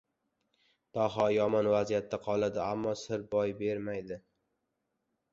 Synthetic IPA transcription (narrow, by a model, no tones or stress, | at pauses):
d̪̥ɒɦɒjɒmɒnvazijat̪ʰːaqʰɒlˠad̪ɪamːɒsɪɾbɒjbe̞ɾmajd̪ɪ